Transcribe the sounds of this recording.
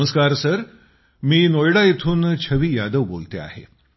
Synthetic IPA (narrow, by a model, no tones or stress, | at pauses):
əskaɾsəɾ | miːnojɽaet̪ʰuːnt͡ɕʰəʋiːjad̪əʋbo̰lt̪ea̰hḛ